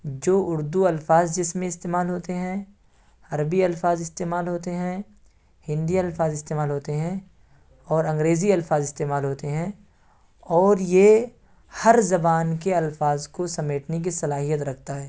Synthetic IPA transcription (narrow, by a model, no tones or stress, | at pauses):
d͡ʒoːʔʊɾd̪uɐlfaːzd͡ʒɪsmẽɪst̪eːmaːlɦoːt̪eɦɛ̃ | hɐɾbiɐlfaːzɪst̪eːmaːlɦoːt̪eɦɛ̃ | hɪ̃nd̪iɐlfaːzɪst̪eːmaːlɦoːt̪eɦɛ̃ | ɔːɾɐ̃ŋɡɾeːziɐlfaːzɪst̪eːmaːlɦoːt̪eɦɛ̃ | ɔːɾje | hɐɾzɐbaːnkeɐlfaːzkosɐmeːʈnek̬isɐlaːɦijət̪ɾɐkʰt̪aɦɛː